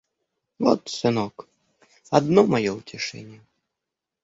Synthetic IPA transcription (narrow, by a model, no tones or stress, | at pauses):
vɔt̪sɨnɔk | ad̪nɔmajɔwt͡sʲɪʂɛ̰nʲɛ